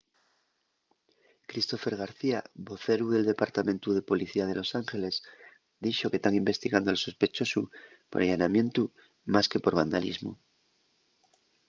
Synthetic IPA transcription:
kɾist̪o̞fe̞ɾɣ̞aɾθiaβo̞θe̞ɾuðe̞ld̪e̞paɾt̪amẽ̞nt̪uðe̞po̞liθiað̞e̞lo̞saŋxe̞le̞s | d̪iʃo̞ket̪aŋimbe̞st̪iɣand̪oalso̞spe̞t͡ʃo̞su | po̞ɾajanamjẽ̞nt̪u | maske̞po̞ɾβ̞and̪alḭzmṵ

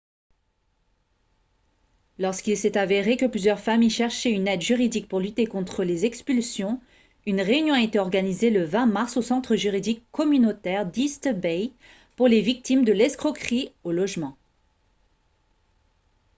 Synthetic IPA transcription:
lɔʁskilsɛt̪aveʁekəplyzjœʁfamiʃɛʁʃɛynɛd̪ʒyʁid̪ik̚puʁlyt̪ekɔ̃t̪χəlezɛkspylsjɔ̃ | ynʁeynjɔ̃aet̪eɔʁɡanizeləvɛ̃maʁsosɑ̃t̪χəʒyʁid̪ikːɔmynot̪ɛʁd̪ist̪əbɛj | puʁlevik̚t̪imd̪əlɛskχɔkχiolɔʒmɑ̃

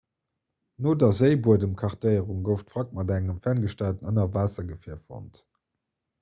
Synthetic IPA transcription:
noːdɑzəɪbuədəmkʰɑʁtəɪəʁuŋɡəʊftfʁɑk̚mɑdæŋəmfænɡəʃtæltənənɐvaːsɐɡəfiɐfo̰nt

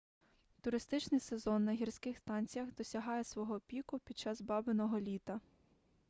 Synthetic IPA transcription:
t̪ʊɾɪst̪ɪt͡ʃnɪjsezɔnːɐɦʲirsʲkɪxst̪ɑnʲt͡sʲijɐɣd̪ɔsʲɐɦɑjɛsʋɔɦɔpʲikʊpʲid̪̚t͡ʃɑzbɑbɪnɔɦɔlʲit̪ɐ

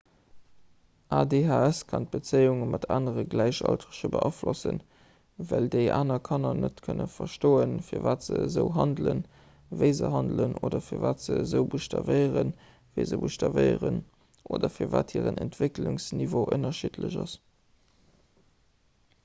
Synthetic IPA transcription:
ʔaːdeɦaːæskʰɑnt̚b̥ət͡seɪuŋəmɑtʰaːnəʁəɡlæɪɕɑ̰ltʁəɕəbəʔɑflʔosən | vældəɪʔaːnɐkʰɑnɐnətkʰənəfɐʃtoːənfiːɐvaːtz̥əəzəʊɦɑndlən | vəɪzəɦɑndlənʔoːdɐfiːɐvaːtz̥əəzəʊbuʃtɑvɜɪəʁən | vəɪzəbuʃtɑvəɪəʁən | ʔoːdɐfiːɐva̰ːthiːʁənʔɛntv̥ekluŋsnivoːʔənɐʃitʰləʑɑs

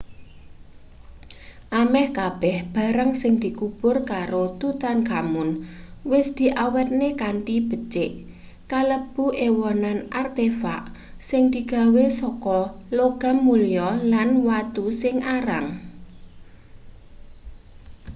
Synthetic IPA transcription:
ʔamɛhkab̥ɛhb̥a̤ɾəŋsɪŋd̪̥i̤kub̥ʊrkaɾot̪ut̪anɡamʊnwɪsd̪̥i̤ʔawɛt̪̚nekaɳʈib̥ə̤t͡ʃɪʔ | kaləb̥uʔewɔnanʔart̪efa̰ʔsɪŋd̪iɡ̥a̤wesɔkɔloɡ̥a̤mːulijɔlanwat̪usɪŋaɾaŋ

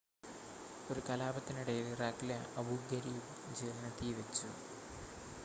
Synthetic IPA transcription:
o̞ɾukɐlaːbɐt̪ːiniɽɐjiliraːkileɐbʱuɡɐɾij | d͡ʑeːlnɐt̪iʋɐt͡ɕːu

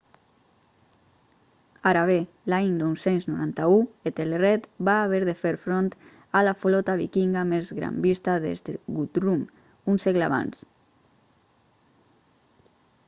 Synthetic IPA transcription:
aɾaβ̞e | laɲnɔwsenznuɾant̪auet̪elerɛt̪baːβ̞eɾðefeɾfɾont̪ | alafulɔt̪aβ̞ikiŋɡamezɣɾa̰mbist̪aðḛzd̪eɣut̪ɾum | unseɣla̰βa̰ns

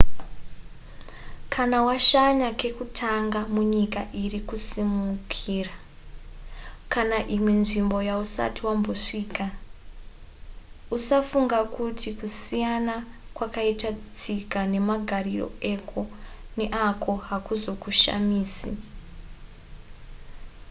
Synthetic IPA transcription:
kʰanawaʃaɲake̞kutʰaŋɡamuɲikaʔirikusimukʰiːra | kanaʔimwe̞nʐimbo̞jausa̰tiwambo̞ʂiːka | usafuŋɡakutʰikusijana | kwakaitad͡zit͡sikane̞maɡʱariro̰e̞kʰo̞neʔakʰo̞ɦakuzo̞kuʃa̰miːsi

